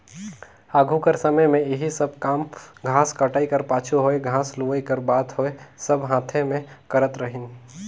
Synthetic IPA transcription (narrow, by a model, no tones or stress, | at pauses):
aːɡʱukəɾsəməjmẽɪɦisəb̚kaːmɡʱãːskɐʈaːikəɾpaːt͡ʃʰuɦoːeɡʱãːsluʋəikəɾbaːt̪ɦoːesɐbɦãːt̪ʰẽmẽkɐɾət̪ɾəɦɪn